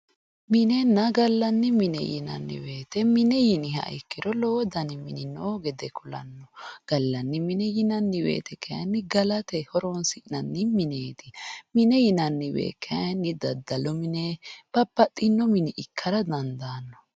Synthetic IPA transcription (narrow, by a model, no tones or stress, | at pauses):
mɪnɛnːɐɡɐlːɐnːɪmɪnɛ̰jɪ̰nɐ̰nːɪ̰weːt̪ɛmɪnɛjɪnɪɦɐ̰ʔɪkːɪdɔloːd̪ɐnɪmɪnɪnoːɡɛd̪ɛkʊlɐ̰nːɔɡ̥ɐlːɐnːɪmɪnɛjɪnɐnːɪwḛːt̪ɛkʰːɐjɐnːɪɡɐlɐt̪ɛhɔɾɔnsɪʔnɐnːɪmɪneːt̪ɪmɪnɛjɪnɐnːɪwḛːkʰːɐjɐnːɪd̪ɐd̪ːɐlɔmɪneb̥ɐpːɐt̪ʼːɪnːɔmɪnɪʔɪkʰːɐɾɐd̪ɐnd̪aːnːɔ̥